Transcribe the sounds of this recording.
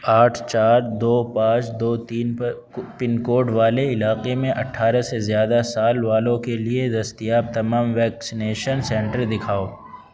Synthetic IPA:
aːʈʰt͡ʃaːɾd̪oːpãːt͡ʃd̪oːt̪iːn | pɪnkoːɾɖʋaːleɪlaːqemẽʔɐʈʰːaːɾəsezjaːd̪asaːlʋaːlõkelied̪ɐst̪ijaːb̚t̪ɐmaːmʋɛːksɪneːʃənsɛ̃ːɳʈəɾd̪ɪkʰaːoː

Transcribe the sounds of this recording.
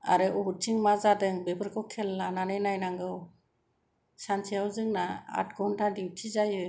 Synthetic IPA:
a̰ɾɯʔɔbɯtʰiŋmazadɯŋbebʰɯɾkʰɔkʰelːananɯjnajnaŋɡɯw | sansijawzɯŋnaa̰t̚ɡɔwntʰadiwtʰizajɯ

